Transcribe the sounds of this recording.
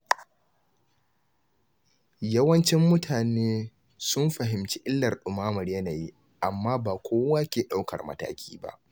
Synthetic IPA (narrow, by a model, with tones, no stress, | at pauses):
jɐ˦wɐ˦nt͡ʃɪ˦mːʊ˦tʰaː˨neː˦ | sʊ˦mɸɐ˨ɦɪ˨mt͡ʃi˦ʔɪ˦lːɐ˨rɗʊ˨maː˦mɐ˨ɽjɐ˦naː˨ji˦ | ʔa˨mːaː˦baː˨kʷoː˦wa˦kʲeː˨ɗa˦wkɐ̰˨rmɐ̰˦ta̰ː˦kʲiː˦ba̰˦ʔ